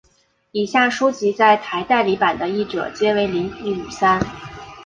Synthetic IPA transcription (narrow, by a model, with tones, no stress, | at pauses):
i˨˩ɕja˥˩ʂu˥t͡ɕi˧˥t͡sa˥˩ɪt̪ʰa˧˥ɪt̪a˥˩ɪli˧˥pa˨˩nd̪ə˦i˥˩ʈ͡ʂɤ̰˨˩t͡ɕjɛ˥we˧˥ɪli˧˥ŋi˥˩u˨˩sa˥n